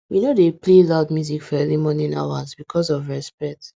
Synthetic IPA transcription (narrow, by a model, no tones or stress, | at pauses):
winodeplelaʊd̚mjuzikfɔɛvimɔnĩna̰wazbikʰɔsɔvɹɛspɛk̚t